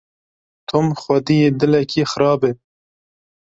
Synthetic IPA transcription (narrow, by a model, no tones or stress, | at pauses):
t̪ʰʊmxʷad̪ijed̪ɪlɛkixɾɑːbe